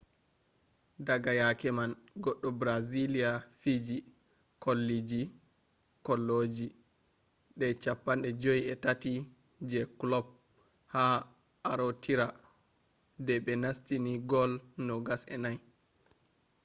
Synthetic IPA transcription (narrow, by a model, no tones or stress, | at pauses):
daɡajakɛman | ɡɔɗːɔbɾazilijafid͡ʒi | kolːid͡ʒi | kɔlːod͡ʒi | ɗɛt͡ʃapːanɗɛd͡ʒojɛtati | d͡ʒɛklɔb̚ | ha | aɾotʰiɾa | dɛɓɛnastiniɡɔlnɔɡasɛ̰naj